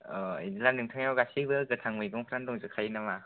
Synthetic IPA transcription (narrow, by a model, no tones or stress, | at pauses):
ɔinlanɯŋtʰaŋjawɡasibɯɡɯtʰaŋmɯjɡɔŋpʰɾandɔŋzɯkʰajinama